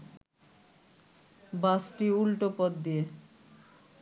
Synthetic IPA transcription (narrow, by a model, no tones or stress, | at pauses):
basʈiulʈopɔd̪d̪ie